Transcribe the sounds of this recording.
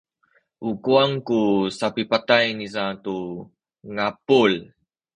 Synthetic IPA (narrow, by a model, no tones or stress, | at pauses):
ʔukuaŋkusapipatajnisatu | ŋapul